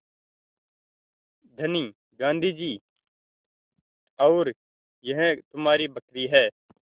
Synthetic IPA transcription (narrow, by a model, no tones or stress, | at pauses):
d̪ʱəniː | ɡãːnd̪ʱiːd͡ʒiː | əːɾ | jəɦt̪ʊmaːɾiːbəkɾiːɦɛː